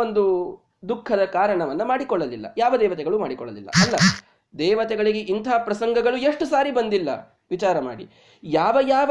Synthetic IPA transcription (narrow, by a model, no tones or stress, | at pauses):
ond̪u | d̪ukʰːɐd̪ɐkaːɾɐɳɐʋɐnːɐmaːɽikɔɭːɐlilːɐ̰jaːʋɐd̪ɛːʋɐt̪ɛɡɐɭuma̰ːɽikɔɭːɐlḭlːɐ̰ɐlːɐ | d̪ɛːʋɐt̪ɛɡɐɭiɡeʔint̪ʰaːpɾɐsɐŋɡɐɡɐɭujeʂʈusaːɾibɐnd̪ilːɐ̰ | ʋit͡ʃaːɾɐma̰ːɽḭ | jaːʋɐjaːʋ